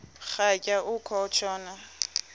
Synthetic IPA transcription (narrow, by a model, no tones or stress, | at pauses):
χakʼaʔʊkʰɔt͡ʃʰɔːna